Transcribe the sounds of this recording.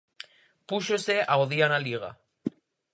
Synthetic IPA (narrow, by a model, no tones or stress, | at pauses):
puʃoseaoðjanaliɣ̞a̰